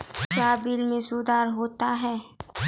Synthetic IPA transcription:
kjaːbɪlmẽsuːd̪aːɾɦoːt̪aɦɛː

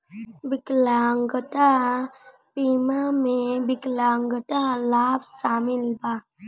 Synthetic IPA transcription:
bɪklaːŋɡət̪a | piːmamẽbɪklaːŋɡət̪alaːbsaːmɪlbaː

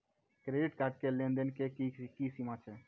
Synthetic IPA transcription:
kɾeɖiʈkaɾʈ̚kelẽnd̪ənkekikisimat͡ʃʰɛ

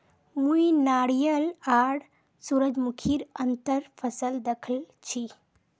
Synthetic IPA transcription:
mujnaɽjəlaɽ | suɾəd͡ʑmukʰiːɾənt̪əɾfʰəsəld̪əkʰəl | t͡ɕʰi

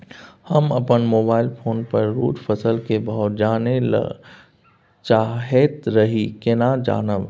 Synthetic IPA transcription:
hɐmɐpənmoːbaːɪlpʰoːnpɐɾːṵːʈpʰəsəlkebaʊʊd͡ʒaːnelə̰ | t͡ʃaːɦeːt̪ɾɐɦikenaːd͡ʒa̰ːnəʋ

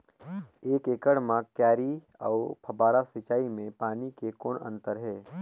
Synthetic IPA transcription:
eːkeːkəɽmãkjɛːɾi | ɔ̰ːpʰɐbaːɾasɪt͡ʃaːimẽpaːnikekɔːnə̰̃nt̪əɾɦɛː

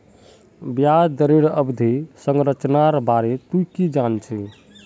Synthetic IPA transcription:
bjad̪əɾeɾəbd̪ʱesəŋɡɾət͡ʃnaɾbaɾet̪ukid͡ʒant͡ʃʰɛ

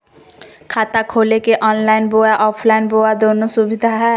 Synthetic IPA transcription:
kʰaːt̪akʰoːlekeʔɔːnlaːɪnbojaʔɔːpʰlaɪnboːad̪oːnosʊbɪd̪ʱaɦɛː

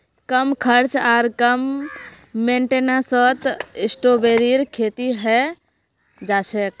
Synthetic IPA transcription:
kəmkʰəɾt͡ʃaɾkəmː | eɳʈenasət̪isʈobeɾiɾkʰet̪iɦɛ | d͡ʒat͡ʃʰɛk̚

